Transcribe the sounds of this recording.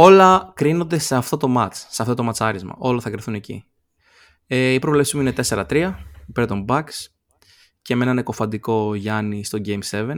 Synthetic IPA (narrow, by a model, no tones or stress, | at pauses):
o̞lɐkɾino̞nd̪e̞seɐft̪o̞t̪o̞mɐt͡sseɐft̪o̞t̪o̞mɐt͡sɐɾizmɐ̰ʔo̞lɐθɐkɾiθune̞cḭ | eipɾovle̞psizmuinet̪e̞se̞ɾɐt̪ɾiɐipe̞ɾt̪o̞mbɐks | ce̞menɐneko̞fɐnd̪iko̞ʝɐnist̪o̞ɟejmse̞ve̞n